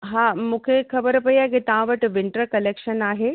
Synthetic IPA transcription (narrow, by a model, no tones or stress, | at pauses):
ɦãːmũːkʰexɐbəɾpɐiaːɦekit̪ɐʋãʋɐʈʋɪɳʈəɾkɐleːkʃənaːɦe